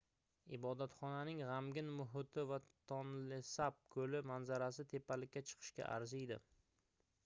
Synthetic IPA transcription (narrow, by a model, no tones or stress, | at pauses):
ɪbɒd̪at̪χɒnanɪŋʁamɡʲɪnmʊɦʊt̪ʰɪvat̪ʰɒnlɪsap̚kʰɵlɪmanzaɾasɪt̪ʰe̞pʰːalɪkʲːat͡ʃʰɨ̥qʰɨ̥ʃkʲa̰ʔa̰ɾzɪjd̪ɪ̰